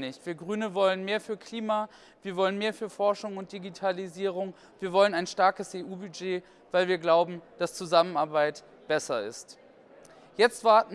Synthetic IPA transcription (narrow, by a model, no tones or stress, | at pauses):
nɪçtv̥iːɐɡʁyːnəvɔlənmeːɐfyːɐkʰl̥iːma | v̥iːɐvɔlənmeːɐfyːɐfɔɐʃʊŋʊnt̚d̥iɡitʰaliziːʁ̞ʊŋ | viːɐvɔlənaɪnʃtaɐkəsʔeːʔuːbyd͡ʒeː | v̥aɪlviːɐɡlaʊbm̩d̥ast͡suzamənaɐbaɪt | b̥ɛsɐɪ̰st | jɛt͡stv̥aɐtn̩